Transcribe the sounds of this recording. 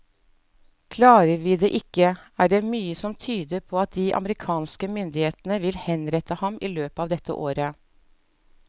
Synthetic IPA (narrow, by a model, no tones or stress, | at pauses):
kʰlɑːɾəɾʋiːd̪eːʔɪkːəæːɖeːmyːəsɔmt̪ʰyːd̪əɾpʰoːɑt̪̚d̪iːʔɑ̰məɾɪkʰɑːnskəmʏnd̪ɪheːt̪nəʋɪlhɛnɾɛt̪əhɑmʔiːløːpəɑːʋd̪ɛt̪ːə̰ʔoːɾə